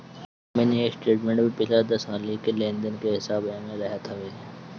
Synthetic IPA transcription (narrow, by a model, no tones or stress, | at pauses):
menieːksʈeːʈmẽɳʈbʱĩpɪlad̪ɐsɦaːlikelẽːnd̪ənkeɦɪsaːbaːmẽɾɛɦət̪ʰaʋeː